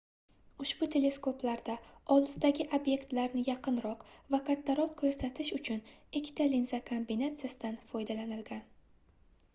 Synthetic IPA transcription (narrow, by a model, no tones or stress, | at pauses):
ʊʃbʊt̪ʰe̞le̞sko̞plaɾd̪aɒlˠɨsd̪aɡʲɪʔabje̞kt̪laɾnɪjɑqɨnɾɒqvakʰat̪ʰːaɾɒq̚kʲʰɵɾsat̪ʰɪʃʊt͡ʃʰʊnɪkʲʰːɪ̥t̪ʰalinzakʰombinat̪sɨjasɪd̪anfɒjd̪alanɪlɡʲan